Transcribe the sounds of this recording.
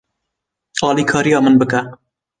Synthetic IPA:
ɑːliːkʰɑːɾijɑːmɨnbɨkɛ

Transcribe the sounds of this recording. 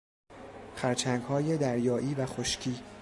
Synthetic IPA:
xæɾt͡ʃʰæŋɡhɒːje̞d̪æɾjɒːʔiːvæxoʃcʰiː

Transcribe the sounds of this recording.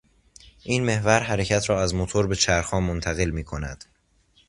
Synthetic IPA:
ʔiːnme̞hvæɾɦæɾe̞cʰæt̪ʰɾɒːæzmot̪ʰoɾbe̞t͡ʃʰæɾxɒːmont̪ʰæɣe̞lmiːkʰo̞næ̰d̪̥

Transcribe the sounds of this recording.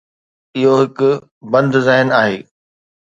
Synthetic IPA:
ɪɦoɦɪkʊ | bɐ̃nd̪zɛɦɪnaːɦeː

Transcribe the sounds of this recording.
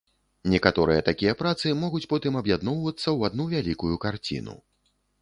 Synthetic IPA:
nʲɛkat̪ɔɾɨjɐt̪akʲijɐpɾat̪sɨmɔɣut͡sʲpɔt̪ɨmɐbjad̪nɔwvɐt̪sːɐwad̪nuvʲalʲikujukart͡sʲḭnṵ

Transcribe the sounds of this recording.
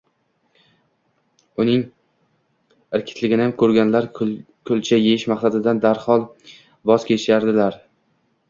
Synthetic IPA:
ʊnɪŋ | ɪɾkʲʰɪ̥t̪ʰlɪɡʲɪnɪamkʰɵɾɡʲanlaɾ | kʰʊlt͡ʃʰajejɪʃmaχsad̪ɪd̪and̪aɾhɒlˠ | bɒz̥kʲʰe̞t͡ʃʰɪʃaɾd̪ɪlaɾ

